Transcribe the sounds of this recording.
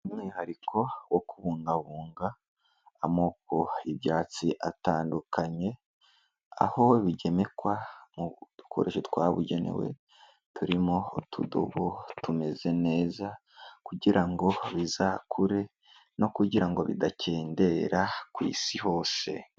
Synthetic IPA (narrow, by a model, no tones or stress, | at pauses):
umŋiːhaɾikʰo̞wokuβuːŋɡaβuːŋɡaː | mo̞ːk̚o̞ibɟaːt͡siʔataːndukʰaɲe̞ | a̰ho̞βiɟe̞me̞kwamud̥ukʰo̞̰ɾʔe̞ʃet̪waːβṵɟe̞ne̞̰we̞̰ | tuɾimotʰudo̰βotume̞ze̞ne̞ːza | kuɟiɾaŋɡo̞βizaːkʰuɾe̞ | no̞kuɟiɾaŋɡo̞βḭdacʰe̞ːnde̞ɾakwḭːsiho̞ːse̞̰